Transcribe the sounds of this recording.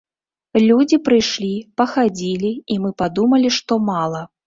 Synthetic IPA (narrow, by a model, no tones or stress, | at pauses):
lʲud͡zʲipɾɨjʂlʲipɐxad͡zʲilʲiimɨpad̪umɐlʲiʂt̪ɔmalˠɐ